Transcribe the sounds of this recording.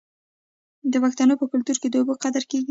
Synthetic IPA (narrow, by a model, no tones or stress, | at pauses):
d̪əwakt̪ɑnopəkʊlt̪uɾked̪əobəqad̪əɾkeɡi